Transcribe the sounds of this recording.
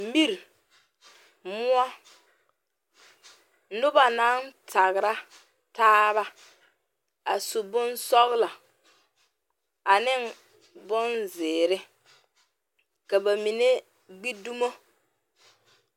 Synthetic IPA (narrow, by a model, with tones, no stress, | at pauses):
mi˦ɾ | mʊ˦a˦ | nʊ˦ba˨na˦ntʰa˨ɣɪ˨ɾa˦ | taː˦βa˦ | a˨su˨bʊ˦nsɔ˦ɣla˨ | a˨nɪ˦n | bʊ˦nzɪː˨ɾɪ˦ | ka˨ba˨mi˨ne˦ | ɡ͡bi˦du˦mo˦